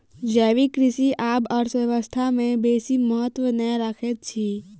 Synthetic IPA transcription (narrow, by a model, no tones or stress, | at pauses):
d͡ʒɛːʋikɾɪʃiʔaːbɔɾsʋəʋəst̪ʰamẽbeːsiməɦət̪wənəɾəkʰet̪̚t͡ʃʰi